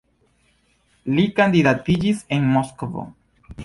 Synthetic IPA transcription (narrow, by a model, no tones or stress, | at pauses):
likand̪iðat̪id͡ʒisenmoskovo̰